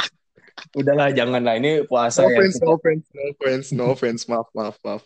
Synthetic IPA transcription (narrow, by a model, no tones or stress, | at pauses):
udahlad͡ʒaŋanlainikuasajaɛnsofɛnsnofɾɛnsnofɾɛnsmafmafmaf